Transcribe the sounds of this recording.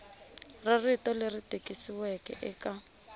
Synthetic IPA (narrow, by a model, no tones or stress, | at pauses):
raritɔleritekʼisiwɛkɛ̰ʔɛka